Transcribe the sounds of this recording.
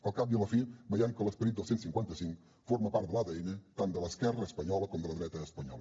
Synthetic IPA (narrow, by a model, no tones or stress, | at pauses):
əlˠkap̚jələfibəjaŋkələspəɾit̪̚d̪əlˠsensiŋkwant̪əsiŋk | foɾməpaɾt̪d̪əlˠaðɛjnət̪and̪ələskɛrəːspəɲɔləkɔmd̪ələðɾɛt̪əːspəɲɔlˠə